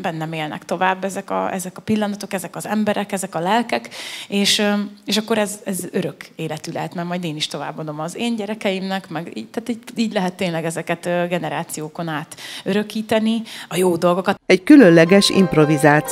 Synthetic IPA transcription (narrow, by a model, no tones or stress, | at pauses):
bɛnːɛmeːlnɛ̰kt̪o̞vaːbːɛzɛkɒ̰ʔɛzɛkɒpilːɒnɒt̪o̞kɛzɛkɒzɛmbɛɾʔɛkɛzɛkɒlɛlkɛkeːʃeːʃɒkːo̞ɾɛzɛzøɾø̞keːlɛt̪ylɛ̰ɦɛt̪mɛmɒjd̪eːniʃt̪o̞va̰ːbːod̪o̞mɒzeːɲɟɛɾɛkɛjimnɛkmɛɡḭːt̪aːt̪iːiːɟlɛɦɛt̪ːeːnlɛɡɛzɛkɛt̪ːɡɛnɛɾaːt̪sijoːko̞naːt̪øɾø̞kiːt̪ɛniɒjoːd̪o̞lɡo̞kɒt̪ɛɟkylønlɛɡɛʃḭmprovizaːt̪